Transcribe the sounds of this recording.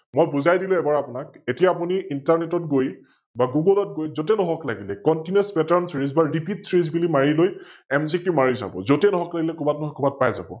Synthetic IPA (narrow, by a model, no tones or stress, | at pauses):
mojbuzajdilʊ̃ɛbaɹapʊnak̚etijaːp̬uniintaɹnetɔt̚ɡoj | baɡuɡɔlɔt̚ɡojzotɛnɔɦɔklaɡilɛkɔntinɛspɛtaɹnsɹizbaɹipitsɹizbilimaɹilojɛmzikumaɹiza̰bɔ̰zotɛnɔɦɔklaɡilɛkubatnɔɦɔkubat̚pajza̰bɔ̰